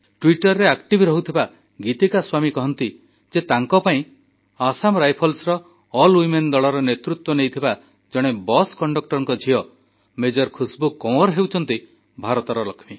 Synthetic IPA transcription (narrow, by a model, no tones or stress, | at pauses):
ʈwiʈɔɾːeakʈibʱɾɔɦut̪ʰiba | ɡit̪ikaswamikɔɦɔnt̪i | d͡ʒet̪aŋkɔpaĩ | asamɾajpʰɔlsɾɔ | ɔlwimend̪ɔɭɔɾɔnet̪ɾut̪wɔnejt̪ʰiba | d͡ʒɔɽ̃ebɔskɔɳɖɔk̚ʈɔɾɔŋkɔd͡ʒʱiɔ | med͡ʒɔɾkʰusbukːɔw̃ɔɾɦewt͡ʃʰɔnt̪i | bʱaɾɔt̪ɔɾɔlɔkʰmi